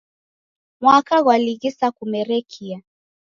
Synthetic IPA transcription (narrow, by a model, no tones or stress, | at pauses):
mwakaɣwaliɣisakumɛɾɛkʰia